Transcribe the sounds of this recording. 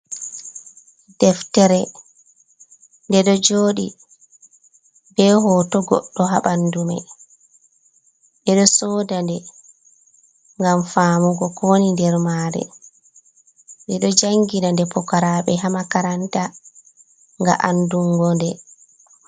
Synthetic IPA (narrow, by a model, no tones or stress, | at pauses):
d̥ɛftɛɾɛ | ndɛɗɔd͡ʒoːɗḭ | bɛɦɔtɔɡɔ̰ɗːɔɦaɓandumɛ̰ | ɗɛɗɔsɔːdandɛ | ŋɡamfaːmuɡɔkʰonindɛɾmaːɾɛ̰ | ndɛɗɔd͡ʒaŋɡinandɛpɔkaɾaːɓɛɦamakaɾanta | ŋɡa̰ʔanduŋɡɔndɛ